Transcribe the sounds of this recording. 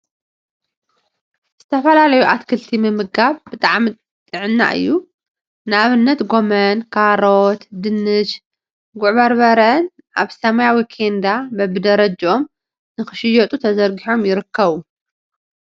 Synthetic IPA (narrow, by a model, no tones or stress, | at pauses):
z̥ɨt̪ʰɐfɐlalɐjuʔat̪kʰɨlt̪ʰimɨmɨɡaβbɨt̪ʼaʕmi | t̪ʼɨʕɨnːa̰ʔɨ̰jːu | nɨaβɨnːɐt̪ɡo̞mɐnkʰaɾot̪d̪ɨnːɨʃ | ɡʊʕβɐɾβɐɾɐn | ʔaβsɐmajawikʰend̪abɐbɨd̪ɐɾɐd͡ʒʔo̞m | nɨxɨʃɨjot̪ʼut̪ʰɐzɐɾɡiħo̞mjɪɾɨkːɐβu